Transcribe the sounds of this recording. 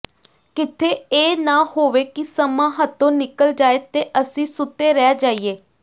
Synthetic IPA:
kɪt̪ʰeːeːnaːhoːʋeːkɪsəmãːɦət̪ʰːõːnɪkəld͡ʒaːeːt̪eːʔəsĩːsʊt̪ːeːɾɛːd͡ʒaːiːeː

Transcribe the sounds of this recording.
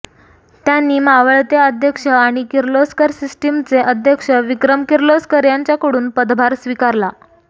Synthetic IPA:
t̪janːiːmaʋəɭt̪eəd̪ʱjəkʂəaɽ̃ikiɾloskəɾsisʈimt͡seʔəd̪ʱjəkʂəʋikɾəmkiɾloskəɾjaɲt͡ɕjakəɽuːnpəd̪bʱaɾsʋikaɾla

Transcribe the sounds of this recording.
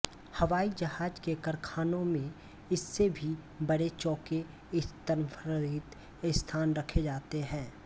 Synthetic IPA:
hɐʋaːid͡ʒɐɦaːd͡ʒkekɐɾkʰaːnõmẽ | ɪsːebʱi | bɐɽet͡ʃɔːke | ɪst̪əɾpʰɾɪt̪ | ɪst̪ʰaːnɾɐkʰed͡ʒaːt̪eɦɛ̃ː

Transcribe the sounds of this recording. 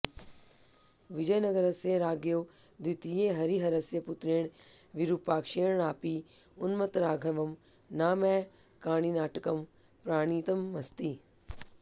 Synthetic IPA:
ʋɪd͡ʒəjnɐɡəɾɐseɾaːɡjoːd̪ɪt̪ijeɦɐɾiɦɐɾɐsjepʊt̪ɾeːɽ̃ʋiɾupaːkʃeːɳ̃aːpiːʊnmɐt̪ɾaːɡʱɐʋɐm | naːmɛː | kaːɽ̃inaːʈkɐm | pɾaːɽ̃iːt̪ɐmːɐst̪iː

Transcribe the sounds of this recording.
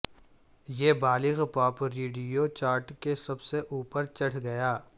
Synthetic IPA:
jeːbaːlɪɣpɔːpɾeːɖijot͡ʃaːɾʈkesɐbseʔuːpəɾt͡ʃɐɽ̤ɡɐjaː

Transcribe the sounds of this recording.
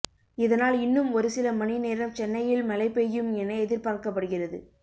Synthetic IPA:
ɪðɐnaːlɪnːɯmɔɾɯsɪlɐmɐnineːɾɐmt͡ʃɛnːɐjɪlmɐlɐɪpːɛjɯmɛnːɐɛðɪɾpaːɾkɐp̬ːɐɽɯɣɪrɐðɯ

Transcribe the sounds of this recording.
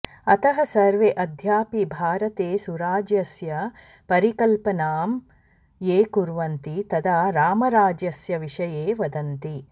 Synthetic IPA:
ɐt̪ɐɦɐsɐɾʋeʔɐd̪ʱjaːpibʱaːɾɐt̪eːsuɾaːd͡ʒjɐsjɐ | pɐɾikɐlpɐnaːm | jeːkuɾʋɐnt̪it̪ɐd̪aɾaːmɐɾaːd͡ʒjɐsjɐʋiʂɐjeːʋɐd̪ɐnt̪i

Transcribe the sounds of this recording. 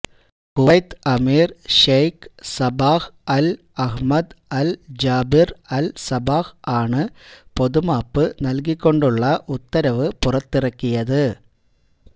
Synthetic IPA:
kʊɐjt̪ɐmiːɾʂeːjksɐbaːhɐl | ɐɣmɐd̪ɐld͡ʒaːbɪɾɐlsɐbaːxaːɳɯpɔðɯmaːpːɯnɐlɣɪkːɔɳɖɯɭːɐʔʊt̪ːɐɾɐʋɯpʊrɐt̪ːɪrɐkːɪjɐðɯ

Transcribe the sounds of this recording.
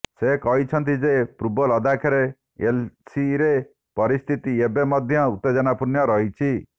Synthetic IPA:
sekɔɦit͡ʃʰɔnt̪id͡ʒepɾubɔlɔd̪ʱakʰaɾe | elsiɾe | pɔɾist̪ʰit̪iebemɔd̪ʱjɔut̪ːed͡ʒɔnapuɾnjɔɾɔɦit͡ʃʰi

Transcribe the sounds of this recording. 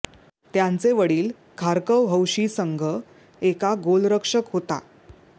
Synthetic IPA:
t̪jant͡seʋəɽiːl | kʰaɾkəwɦəwɕiːsəŋɡʱə | ekaɡolɾəkʂəkɦot̪a̰

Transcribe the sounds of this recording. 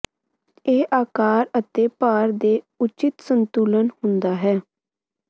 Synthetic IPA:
eːʔaːkaːɾət̪eːpaːɾd̪eː | ʊt͡ʃɪt̪sənt̪uːlənhʊnd̪aːɦɛː

